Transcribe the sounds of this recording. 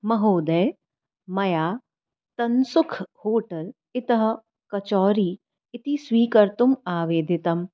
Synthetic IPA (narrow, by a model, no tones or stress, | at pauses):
mɐɦoːd̪ɐː | mɐjaː | t̪ɐnsʊkʰhoːʈɐl | ɪt̪ɐɦɐ | kɐt͡ʃɔːɾiː | ɪt̪iswiːkɐɾt̪ʊmaːʋeːd̪ʱɪt̪ɐm